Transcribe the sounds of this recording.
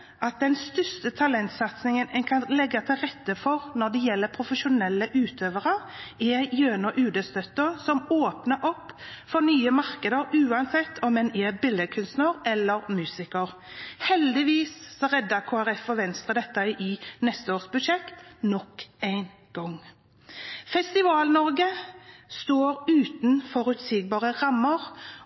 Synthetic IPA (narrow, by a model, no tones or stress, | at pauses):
ʔɑt̪̚d̪ɛnst̪ʏst̪ət̪ʰɑlɛnt̪sɑt̪snɪŋənɛnkʰɑnlɛɡːɑt̪ʰɪlʁɛt̪ːəfɔʁnɔd̪ɛjɛlːəpʰɾʊfəʃʊnɛlːəʔʉːt̪ʰøːʋəʁəɾ | ɛjøːnəʔʉːd̪əst̪œt̪ːəsɔmoːpnəɾɔpː | fɔɾnyːəmɑɾkəd̪əɾʉːɑnsɛt̪ːʰɔmmɛnɛbɪlːəkʰʉnst̪nəɾɛlːəɾmʉːsɪkəʁ | hɛld̪ɪʋiːsːɔɾɛd̪ːɑkʰoːæʁɛfɔʋɛnst̪ʁəd̪ɛt̪ːəʔɪnɛst̪əoːsbʉd̪ʃɛkt̪nɔkːæɪn | ɡ̥ɔŋ | fɛst̪ɪʋɑːlnɔɾɡəst̪oːɾʉːt̪nfɔɾʉt̪siːɡ̚bɑːʁəʁɑmːəʁ